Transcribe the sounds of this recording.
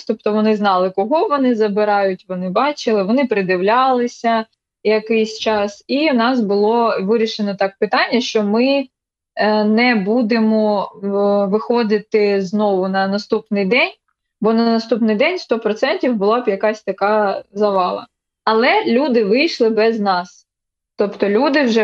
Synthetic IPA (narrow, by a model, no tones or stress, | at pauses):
t̪ɔpt̪ɔʋɔnɪznɑlˠɪkɔɦɔʋɔnɪzɐbɪɾɑjʊtʲʋɔnɪbɑt͡ʃɪlˠɪʋɔnɪpɾɪd̪ɪʋlʲɑlˠɪsʲɐ | jɐkɪjsʲt͡ʃɑsiʋnɑsbʊlˠɔʋɪɾʲiʃenɔt̪ɑk̚pɪt̪ɑnʲːɐʃt͡ʃɔmɪ | nɛbud̪emɔ | ʋɪxɔd̪ɪt̪ɪznɔʋʊnɐnɐst̪upnɪjd̪ɛnʲ | bɔnɐnɐst̪upnɪjd̪ɛnʲst̪ɔpɾɔt̪sɛnʲtʲiwbʊlˠɑbjɐkɑsʲt̪ɐkɑzɐʋɑlˠɐ̰ | ɐlˠɛlʲud̪ɪʋɪjʃlˠɪbɛznɑs | t̪ɔpt̪ɔlʲud̪ɪwʒɛ